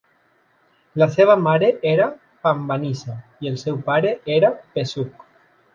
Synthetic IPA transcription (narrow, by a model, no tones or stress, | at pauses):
laseβ̞amaɾeʔeɾa | pambanisaielsɛwpaɾeʔeɾapesuk